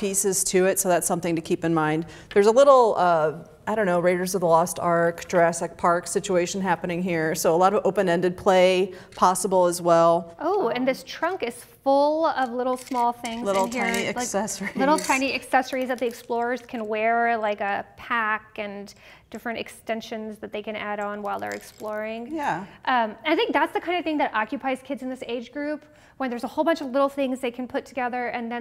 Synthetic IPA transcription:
pʰisɨz̥tʰɨɪtsoʊðætsʌ̃mθɪ̃ŋtɨkʰipɨ̃nmãɪ̃nd̪ | ðə˞zəlɪɾl̩ˠʌ | aɪɾõʊ̃nːoʊɹeɪɾə˞zʌvðəlɔstʰɑɹkd̥ɹɛsɨk̚pʰɑɹksɪt͡ʃueɪʃɨ̃n̩ɦæpɨnɪ̃ŋɦiɹsoʊəlɑɾʌvoʊpɨ̃nɛ̃ndɨd̚pʰl̥eɪpʰɑsəbl̩ˠəzwɛlˠʔoʊɨ̃nðɪstʰɹ̥ʌ̃ŋkɨz̥fʊlˠʌvlɪɾl̩ˠsmɔlˠθɪ̃ŋzɪl̩̃ˠɪiɨaɪsɛsə˞ilɪɾl̩ˠkʰãɪ̃niɨksɛsə˞izðɨt̪̚ðiɨksplɔɹə˞z̥kʰɨ̃nwɛɹlaɪkɨpʰækɨ̃n | d̥ɪfɹɨ̃ntɨ̰kstɛ̃nʃɨ̃nzðɨt̪̚ðeɪkɨ̃næɾn̩waɪlˠðə̰˞ɨ̰ksplɔɹɪ̃ŋjæʔʌ̃mnaɪθɪ̃ŋk̚ðætsðɨkʰãɪ̃ndʌvθɪ̃ŋðɨɾʔɑkjɨpʰaɪz̥kʰɪdzn̩ðɪseɪd͡ʒɡɹʉp | wə̃nðə˞zəhoʊlˠbʌ̃nt͡ʃʌvlɪɾl̩ˠθɪ̃ŋzðeɪkʰn̩pʰʊtʰɨɡɛðə˞ʔɨ̃nðɨ̃

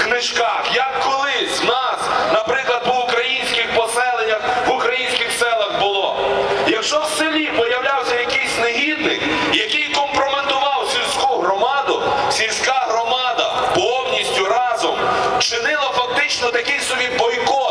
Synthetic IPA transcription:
knɪʃkɑxjɐkːɔlˠɪsʲnɑsnɐpɾɪklˠɐd̪̚pɔʊkɾɐjinʲsʲkʲɪxpɔsɛlˠenʲːɐxʋʊkɾɐjinʲsʲkɪxsɛlˠɐɣbʊlˠɔjɐkʃt͡ʃɔwselʲipɔjɐwlʲawsʲɐjɐkɪjsʲneɦʲid̪nɪ̰x | jɐkɪjkɔmpɾɔment̪ʊʋɑwsʲilʲsʲkuɦɾɔmɑd̪ʊsʲilʲsʲkaɦɾɔmɑd̪ɐ̰pɔɔbnʲisʲtʲʊɾɑzɔmt͡ʃɪnɪlˠɐfɐk̚t̪ɪt͡ʃnɔt̪ɐkɪjsɔbʲibɔjkɔ

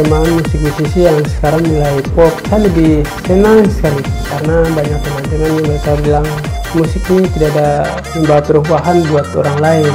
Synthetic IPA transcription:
əmbaɦanmusɪk̚disisijaŋsə̥kaɾaŋmilaipɔp̚kalidisənaŋnsə̥kalikarnabaɲak̚pəmant̪inanjaŋməɾɛkabilaŋ | musɪknit̪idaada | məmbawapəɾumbaɦanbuat̪o̰ɾaŋlain

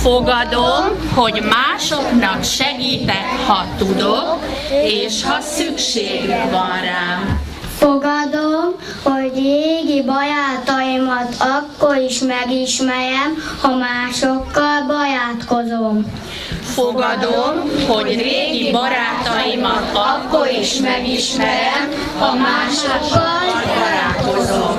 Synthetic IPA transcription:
foɡɒd̪omhoɟmaːʃoknɒkʃɛɡiːt̪ɛkhɒt̪ud̪ok | eːʃhɒsykʃeːɡykvɒnraːm | foɡɒd̪om | hoɟreeːɡibɒjaːt̪ɒimɒt̪ɒkːoɾiʃmɛɡiʃmɛɾɛm | hɒmaːʃokːɒlbɒjaːt̪kozoː | foɡd̪omhoeːɡiibɾaːt̪ɔjimt̪ɒkːoɾiʃmɛɡiʃmɛɾɛm | hɒmaːʃokːɒl | bɔjaːkozoː

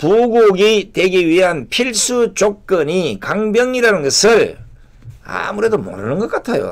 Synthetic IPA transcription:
puɡuɡitwe̞ɡiɥiɦanpʰiɭs͈ut͡ɕok̚k͈ɯɲikaŋbjʌŋiɾanɯnɡʌsʰɯɭ | a̰muɾe̞domo̰nɯnɯnɡʌk͈atʰajo̰

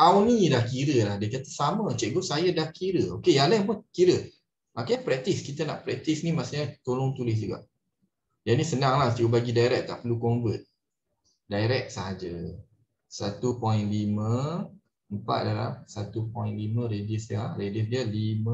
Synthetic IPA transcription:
awnidahkiɾəlahdəkat̪ə̥samət͡ʃɛk̚ɡosajadahkiɾəokejalɛhməkiɾə | makaɲpɾɛk̚t̪iskit̪əna̰ʔpɾɛk̚t̪isnimaʔsəɲat̪olʊŋt̪ulɪs̬d͡ʒuɡa̰ʔ | d͡ʒanisənaŋlaht̪iubaɡidaiɾɛk̚t̪ːa̰ʔpəlukɔmbət̪̚ | daiɾɛk̚saɦad͡ʒə | sa̰t̪upɔj̃nlimə̃ | əmpa̰t̪̚dala̰msat̪upɔjĩnlimə̃ɾedisaɾedəsdiəlimə

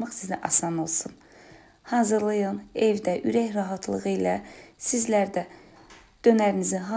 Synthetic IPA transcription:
mɑχsizæʔɑsɑno̞lˠsun | hɑːzɯɾlˠɯjɯne̞vd̪æʔyɾæçɾɑɦɑt̪ʰlˠɯʁɯjlæsizlæɾd̪æ | d̪̥ø̞næɾiniziɦɑ

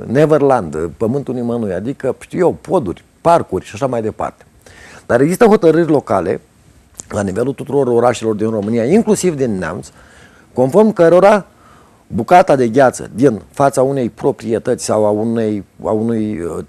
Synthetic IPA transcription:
neverland̪pəmɨnt̪unimənuja̰d̪ikəʃt̪iwjewpo̞d̪urʲ | parkurʲʃaʃamajd̪e̞pa̰rt̪e̞̥ | d̪̥aɾeɡzist̪əɦo̞t̪əɾɨrʲlo̞kale̞̰ | lanive̞lut̪ut̪uɾo̞ɾo̞ɾaʃelo̞rd̪inro̞mɨnijaiŋklusivd̪inːea̰mt̪s | ko̞nfo̞rmkəɾo̞ɾa | bukat̪ad̪e̞vjat̪sə̰d̪infat̪saune̞jpɾo̞pɾie̞t̪ət̪sʲsawauneja̰unuj

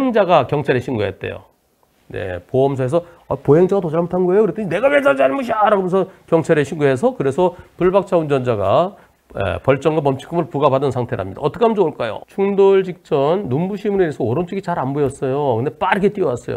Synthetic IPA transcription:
eŋd͡ʑaɡakjʌŋt͡ɕʰaɾeɕʰinɡojet̚t͈e̞̰jo̰ | nḛpoʌms̬ʰoɦes̬ʰʌ | apoɦeŋd͡ʑaɡatod͡ʑaɭmotʰanɡʌejokɯɾet͈ʌɲine̞ɡawed͡ʑaɭd͡ʑaanɯnboɕ̬ʰiaɾaɡomjʌnsʰʌkjʌŋt͡ɕʰaɾɦeɕʰinɡoɦes̬ʰʌkɯɾe̞sʰʌpuɭbak̚t͡ɕʰaund͡ʑʌnd͡ʑaɡa̰ | ḛpʌɭt͡ɕ͈ʌŋɡamʌmt͡ɕʰi̥k͈ɯmɯɭpuɡabadɯnsʰaŋtʰeɾ̰ɯ̰amɲida̰ʌt͈ʰʌkʰeamnd͡ʑooɭk͈ajo̰t͡ɕʰuŋdoɭd͡ʑik̚t͡ɕ͈ʌnːumbuɕʰimuɾeiesʰʌoɾont͡ɕʰɯɡit͡ɕaɾanbojʌs͈ʌjokɯndep͈aɾɯkʰet͈iʌwas͈ʌ̰jo̰

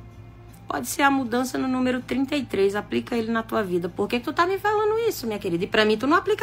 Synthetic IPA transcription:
pɔ̰d͡ʒɪseɾɐmud̪ɐ̃sɐnʊnũmeɾʊt̪ɾĩnt̪ɐjt̪ɾejzaplikɐelɪnɐt̪uɐvid̪ɐpoɾkekɪt̪ut̪amɪvelɐ̃nd̪ʊisʊmĩɲɐkeɾid̪ɐipɾɐmĩt̪unɐ̃w̃aplik

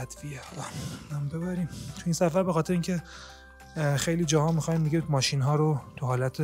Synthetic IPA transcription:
æd̪bijæt̪ʰːɒæmbe̞βæɾiːmt̪ʰuiːnsæfæɾbexɒːt̪ʰe̞ɾeiːŋcʰe̞ | xe̞jliːd͡ʒɒːhɒːmixɒːind̪iɡemɒːʃinɦɒːɾot̪ʰuɦɒːlæt̪ʰe

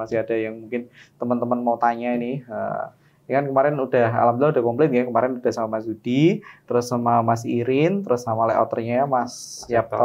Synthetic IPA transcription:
asɪɦad̥ajaŋmuŋkɪnt̪əmənt̪əmənmawt̪aɲainɪhə̰ | jakankəmaɾɪnud̥aɦa̰lamd̪laudahkɔmplɛt̪̚ɡakəmaɾɪnud̥ahsamamasdud̥it̪əɾʊsːamamasiɾɪnt̪əɾʊsːamalɛ̰ʔɔ̰t̪ə̰rɲamasap̚

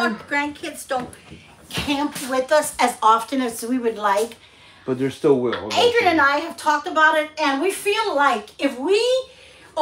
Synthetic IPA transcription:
ɡ̥ɹæ̃nkʰɪdzd̥õʊ̃n | kʰæ̃mpwɪðʌsɨzɑftɨ̃nɨzwiwɨdˡlaɪk | b̥ʌt̪̚ðə˞stɪlˠwɪ̰eɪdɹɨ̃nɨ̃naɪɨv̥tʰɔk̚tɨbaʊɾɪt̚ɨ̃nwifilˠlaɪkɪfwi

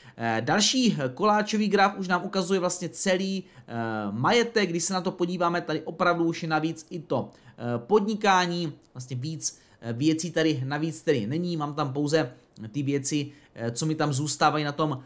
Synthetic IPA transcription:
dalʃiːko̞laːt͡ʃo̞viːɡɾafʔuʃnaːmʔukazujɛvlast̪ɲɛt͡sɛliː | majɛt̪ɛkɡ̚ɡdɪʃsɛnat̪o̞po̞ɟiːvaːmɛt̪adɪʔo̞pɾavduuʃjɛnaviːt͡sɪt̪o̞po̞dɲɪkaːɲiːvlas̬t̪ɲɛviːt͡s | vjɛt͡siːt̪adɪnaviːt͡st̪ɛdɪnɛɲiːmaːmt̪amp̬o̞wzɛ | t̪ɪvjɛt͡sɪ | t͡so̞mɪt̪amzuːst̪aːvajinat̪o̞m

